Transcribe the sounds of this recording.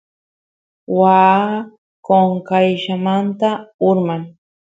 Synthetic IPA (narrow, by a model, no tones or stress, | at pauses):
wa | koŋkajʃamant̪aʊɾmaŋ